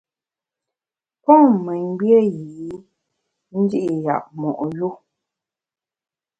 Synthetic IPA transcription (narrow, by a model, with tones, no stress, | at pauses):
pɔ˦mɛ˨ŋ˦bjə˦ji˨i˨˦ | n̩˦di˦ʔi˨ja̰˨ʔ̚mɔ˨ʔju˦˨